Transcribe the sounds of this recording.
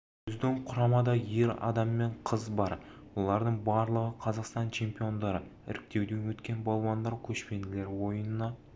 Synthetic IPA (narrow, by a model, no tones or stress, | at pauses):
ʏzd̪ɪŋqʰʊɾɑmɑd̪ɑje̞ɾɑ̰d̪ɑmːe̞ɴqʰəzbɑɾ | wo̞lˠɑɾd̪əɴbɑɾlˠəʁəqʰɑzɑqst̪ɑnt͡ʃʰe̞mpijo̞nd̪ɑɾəɪ̰ɾɪk̚ʲt̪e̞wd̪ewɵt̪kʲe̞nbɑlˠwɑnd̪ɑɾkʲʰɵʃpe̞nd̪ɪle̞ɾwo̞jənənɑ